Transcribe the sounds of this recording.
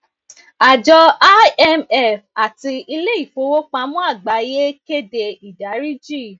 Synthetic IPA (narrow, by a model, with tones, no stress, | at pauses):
a˨d͡ʒɔ˧a˦ɛ˦mɛ˦˨fa˨ti˧i˧le˦i˦˨fo˨˧˦wo˦k͡pã˧˦mũ˦a˦˨ɡ͡ba˨˦je˦ke˦de˧i˨da˨˦ɾi˦d͡ʒi˦˨